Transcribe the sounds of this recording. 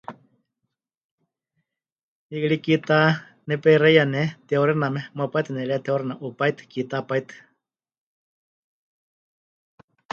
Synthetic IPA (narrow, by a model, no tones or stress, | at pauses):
ikɺikit̪a | nɛpɛiɾejanɛt̪wɾɛnamɛmapat̪ɨnɛɺɛat̪ewɾɛnaʔupajt̪ɨ̥kit̪apajt̪ɨ̥